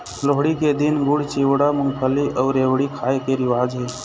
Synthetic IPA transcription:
loːɦɽiked̪ɪnɡʊɽ̤t͡ʃiːʋɽamʊŋpʰəliʔəːɾeːʋɽikʰaːekeɾɪʋaːd͡ʒɦeː

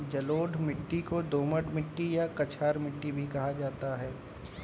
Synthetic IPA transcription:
d͡ʒɐloːɖʱmɪʈːikod̪oːməʈmɪʈːijakɐt͡ʃʰaːɾmɪʈːibʱikɐɦad͡ʒaːt̪aɦɛː

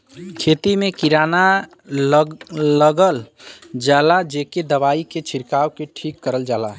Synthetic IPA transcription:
kʰeːt̪imẽkiɾaːna | ləɡəld͡ʒaːlad͡ʒeːked̪əbaːiket͡ʃʰiɾkaːwkeʈʰiːkːəɾəld͡ʒaːla̰

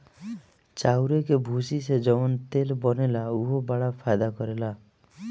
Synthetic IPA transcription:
t͡ʃawɾekebʱusised͡ʒɔmɔnt̪elbɔnelauɦobaɭapʰajd̪akɔɾela

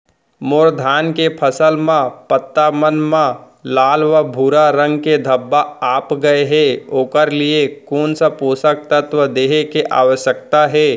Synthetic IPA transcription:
moːɾd̪ʱaːnkepʰɐsəlmãpət̪ːamənmã | laːlʋəbʱuːɾaɾə̃ŋɡked̪ʱɐbːaaːpɡɐeɦɛːoːkəɾliekoːnsəpuːsək̚t̪ət̪ʋəd̪eːɦekeʔa̰ːʋəʃjəkt̪aɦɛː

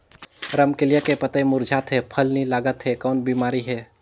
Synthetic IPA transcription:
ɾəmkɪljakepət̪aemʊɾd͡ʒʱaːt̪ɦɛpʰəlnilaːɡət̪ɦɛkɔːnbiːmaːɾiɦɛː

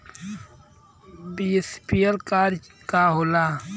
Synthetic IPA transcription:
bispiɐlkaːɾ | kaːɦola

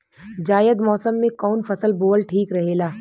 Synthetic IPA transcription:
d͡ʒaːjəd̪mɔːsəmːẽkɔːnfɐsəlboːlʈʰiːkɾɐɦeːlaː

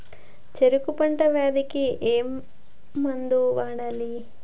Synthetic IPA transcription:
t͡ʃeɾukupɐɳʈɐʋaːd̪ikiʔeːmː | ɐnd̪uʋaːɽaːli

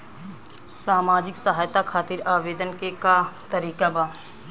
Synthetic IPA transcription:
saːmaːd͡ʒɪksɐɦaːjt̪akʰaːt̪iɾaːʋeːd̪ənkekat̪əɾiːkabaː

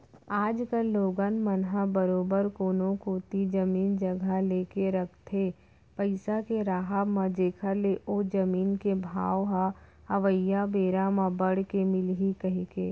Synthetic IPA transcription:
aːd͡ʒkəlːoːɡanmənɦabəɾoːbəɾkoːnõkot̪id͡ʒəmiːnd͡ʒɐɡʱaleːkeɾɐkʰt̪ʰe | pəɪsakeɾaːɦabmãd͡ʒeːkʰəɾleʔoːd͡ʒɐmiːnkebʱa̰ːʋɦa | ɐʋəjabeːɾamãbəɽ̤kemɪlɦikɐɦikeː

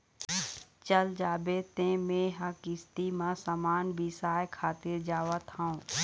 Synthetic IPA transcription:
t͡ʃəld͡ʒaːbeːt̪ẽmẽɦəkɪst̪imãsamaːnbʱisaːjkʰaːt̪ɪɾd͡ʒaːʋət̪ɦãũ

